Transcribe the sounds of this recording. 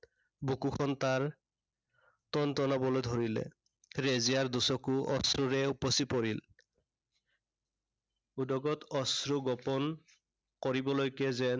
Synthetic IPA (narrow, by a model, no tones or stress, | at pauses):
bukukʰɔntaɹ | tɔntɔnabɔlojdʱoɹilɛ̰ | ɹezijaɹdusɔkuʔɔsɹuɹɛupɔsipɔɹil | udɔɡɔtɔsɹuɡɔpɔn | kɔɹibɔlojkɛzɛn